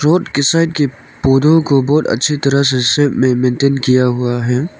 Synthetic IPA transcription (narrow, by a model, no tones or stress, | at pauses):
ɾɔːʈkɪsaɪʈ̚ke | poːd̪ʱõkobɔːt̪ə̰tːʃʰit̪ɐɾəɦsesepmẽmẽnʈeːnkijaɦuaɦɛ